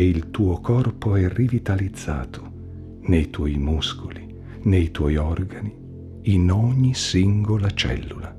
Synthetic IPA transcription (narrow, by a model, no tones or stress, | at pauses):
eilt̪uːokʰɔrpoɛrivit̪alid̪zːa̰ːt̪ʰo̥ | nejt̪wɔjmuskoli | nejt̪wɔjɔrɡani | inɔɲːisiŋɡolat͡ʃɛ̰lːula